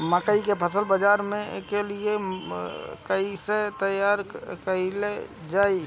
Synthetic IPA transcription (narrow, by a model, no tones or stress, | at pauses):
məkəikepʰəsəlbəd͡ʒaːɾmẽkelie | kəiset̪əjaːɾkəiled͡ʒaːi